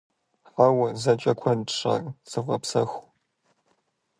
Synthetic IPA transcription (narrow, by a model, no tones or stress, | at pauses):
ħawɐzɐt͡ʃʼɐkʷʰɐntʂa̰rsɨvʁɐpsɐxʷ